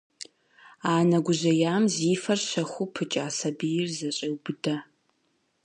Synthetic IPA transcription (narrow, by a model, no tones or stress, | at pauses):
aːnɐɡʷʊʑɐjaːmziːfɐrɕɐxʷʊpʰɨt͡ʃʼaːsɐbijɪrzɐɕʼɐwbɨdɐ